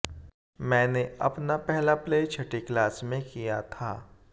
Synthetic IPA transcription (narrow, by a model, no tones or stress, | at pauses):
mɛ̃ːneʔɐ̰pnapɛɦlapleːt͡ʃʰɐʈiklaːsmẽkijat̪ʰaː